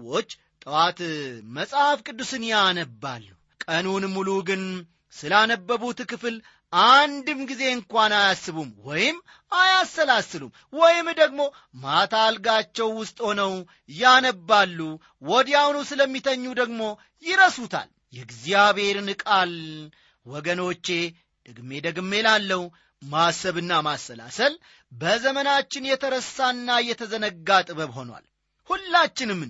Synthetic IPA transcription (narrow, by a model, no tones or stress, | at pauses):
ot͡ʃː | t̪ʼɨwat̪məsʼhafkʼɨd̪ːusɨnjanəbːa̰lːu | kʼənunmuluɡɨn | sɨlanəbːəβut̪kɨfɨl | ʔand̪ɨmɡize̞ɨŋkʷanajasːɨβumwɔjɪm | ajasːəlasɨlṵm | wɔjɪmd̪əɡmo̞ | mat̪ʰalɡat͡ʃːɛwːʊst̪ʼho̞nəw | janəbːalːu | wɔd̪jawnusɨləmːit̪ʰəɲːud̪əɡmo̞ | jɪɾəsut̪ʰa̰l | jɛɡzijaβhe̞ɾnɨkʼal | wɔɡəno̞t͡ʃːe̞ | d̪̥əɡme̞d̪əɡɨmːe̞lalːəw | masəβɨnːamasːəla̰səl | bəzəmənat͡ʃːɪnjɛt̪ʰəɾəsːanːajɛt̪ʰəzənəɡːat̪ʼɨbəβho̞nwa̰l | hulːat͡ʃːɪnɨmː